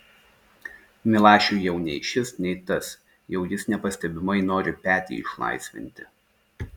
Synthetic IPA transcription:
mʲɪlˠɑːʃʲuˑjɛʊnʲɛɪʃʲɪsnʲɛɪt̪ɐs | jɛʊjɪsnʲɛpɐsʲt̪ʲɛbʲɪmɐɪnoːɾʲɪpʲæːt̪ʲḭːɪʃlˠɐ̰ɪsʲʋʲɪ̰nʲt̪ʲɪ

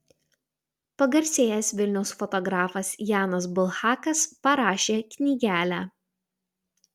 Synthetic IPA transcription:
pɐɡɐɾʲsʲeːjɛsʲʋʲɪlʲnʲɛʊsfɔt̪ɔɡɾɑːfɐsʲjɑːnɐsbʊlˠxɑːkɐspɐɾɑːʃʲeːkʲnʲiːɡʲæːlʲæː

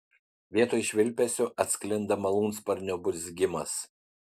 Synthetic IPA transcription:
ʋʲiɛt̪oːjʃʲʋʲɪlʲpʲɛsʲʊʔɐt̪ʲsʲkʲlʲɪnd̪ɐmɐlˠuːnspɐɾʲnʲʊbʊɾʲsʲɡʲɪmɐs

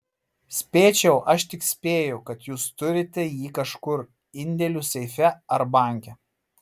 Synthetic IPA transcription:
sʲpʲeːt͡ʃʲɛʊʔɐʃt̪ʲɪksʲpʲeːjʊkɐt̪juːst̪ʊɾʲɪt̪ʲɛjiːkɐʃkʊɾ | ɪnʲd̪ʲɛlʲuːsʲɛɪfʲɛɐɾbɐˑŋʲkʲɛ

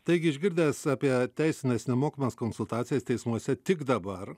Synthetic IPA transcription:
t̪ɐɪɡʲɪʒʲɡʲɪɾʲd̪ʲeːsɑːpʲiɛt̪ʲæɪsʲɪnʲesnʲɛmoːkʲɪmɐskonsʊlˠt̪ɑːt̪sʲɪjɛst̪ʲɛɪsmuɔsʲɛt̪ʲɪɡd̪ɐbɐɾ

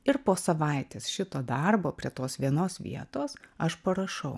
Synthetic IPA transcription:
ɪɾpoːsɐʋɐɪt̪ʲeːsʃʲɪt̪oːd̪ɐrboːpʲɾʲiɛt̪oːsʋʲiɛnoːsʋʲḭɛt̪oːsɐʃpɐɾɐʃɐʊ

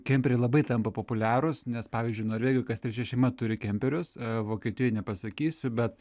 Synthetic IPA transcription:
kʲɛmʲpʲɛɾʲɛɪlˠɐbɐɪt̪ɐmpɐpopʊlʲæːɾʊsnʲɛspɑːʋʲiːzʲd͡ʒʲʊɪnoːɾʋʲeːɡʲɪjoːkɐst̪ɾʲɛt͡ʃʲɛʃʲɛɪmɐt̪ʊɾʲɪkʲɛmʲpʲɛɾʲʊsʋoːkʲeːt̪ʲɪjojnʲɛpɐsɐkʲiːsʲʊbʲɛt̪

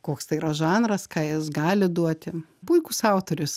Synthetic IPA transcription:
koːkst̪ɐɪiːɾɐʒɑːnɾɐskɑːjɪsɡɑːlʲɪd̪uɔt̪ʲɪpʊɪkʊsɑʊt̪oːɾʲʊs

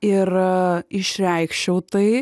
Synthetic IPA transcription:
ɪɾɪʃɾʲɛɪkʃʲt͡ʃʲɛʊt̪ɐɪ

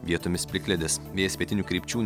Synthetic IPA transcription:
ʋʲiɛt̪ʊmʲɪspʲlʲɪkʲlʲɛd̪ʲɪsʋʲeːjsʋʲiɛt̪ʲɪnʲuːkɾʲiːpʲt͡ʃʲuːnʲ

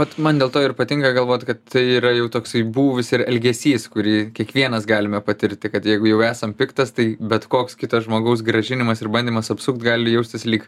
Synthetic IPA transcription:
ʋɐt̪mɐnd̪ʲeːlˠt̪oːɪrpɐt̪ʲɪŋkɐɡɐlˠʋoːt̪ʲkɐt̪tɐɪiːɾɐjɛʊt̪oːksɐɪbuːʋʲɪsɪɾɛlʲɡʲɛsʲiːskʊɾʲiːkʲiɛkʋʲiɛnɐsɡɑːlʲɪmɛpɐt̪ʲɪɾʲt̪ʲɪkɐt̪jɛɪɡʊjɛʊæːsɐmpʲɪkt̪ɐst̪ɐɪbʲɛt̪koːkskʲɪt̪ɐsʒmoːɡɐʊs̬ɡrɐʒʲɪnʲɪmɐsɪɾbɐnʲdʲiːmɐsɐpsʊkt̪ɡɑːlʲɪjɛʊsʲt̪ʲɪslʲiːk

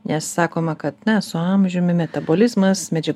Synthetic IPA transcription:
nʲɛsːɑːkoːmɐkɐt̪nʲɛsʊɑmʲʒʲʊmʲɪmʲɛt̪ɐboːlʲɪzmɐsmʲɛd͡ʒʲɛ

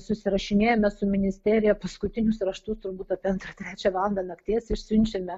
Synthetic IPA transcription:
sʊsʲɪɾɐʃʲɪnʲeːjomʲɛsʊmʲɪnʲɪsʲt̪ʲæːɾʲɪjɛpɐskʊt̪ʲɪnʲʊsɾɐʃt̪ust̪ʊɾbuːt̪ɐːpʲiɐnt̪ɾɐt̪ʲɾʲæːt͡ʃʲɛʋɑlˠɐnd̪ɐnɐkt̪ʲiɛsɪʃʲsʲʊnʲt͡ʃʲɛmʲɛ

